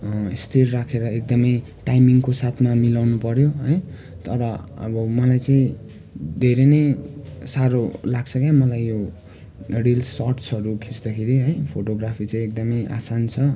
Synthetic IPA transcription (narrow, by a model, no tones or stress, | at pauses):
ist̪ʰirːakʰeɾʌek̚d̪ʌmʌj | ʈajmiŋkosat̪ʰmamilawnupʌɾjoɦʌj | t̪ʌɾʌʌ̰bʌmʌlajt͡saĩ | d̪ʱeɾenʌjsaɾolaɡt͡sʰʌkjamʌlajjo | rilsʌrʈsʌɾukʰisd̪akʰeɾiɦʌjpʰoʈoɡrapʰit͡saĩek̚d̪ʌmʌjʔa̰sant͡sʰʌ